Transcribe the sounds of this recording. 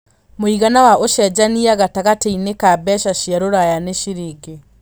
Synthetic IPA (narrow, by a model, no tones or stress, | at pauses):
moiɣanawaʔoʃɛd͡ʑaniaɣataɣateinekabɛʃaʃiaɾoɾajaneʃiɾiɡe